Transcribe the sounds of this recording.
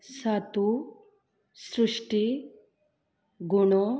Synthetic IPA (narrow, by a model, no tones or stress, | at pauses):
sat̪u | sɾuʂʈi | ɡuɳo